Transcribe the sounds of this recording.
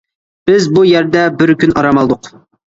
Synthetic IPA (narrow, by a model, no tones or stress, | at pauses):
b̥ɪzbujæɾd̪ɛbɪɾkʲʰynɑɾɑmɑlˠd̪ʊq